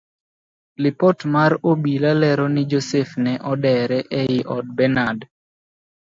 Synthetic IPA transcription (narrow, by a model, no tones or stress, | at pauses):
lɪpɔtmaɾobilalɛɾɔnɪd͡ʒosefnɛʔɔdɛɾɛʔɛjɪʔɔd̚bɛnad